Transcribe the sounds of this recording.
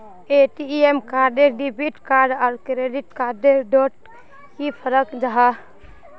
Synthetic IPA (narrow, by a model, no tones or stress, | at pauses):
eʈiemkaɾɖeɖibʱiʈkaɾɖaɾkɾeɖiʈkaɾɖeɖɔʈ | kipʰəɾəkd͡ʒaɦa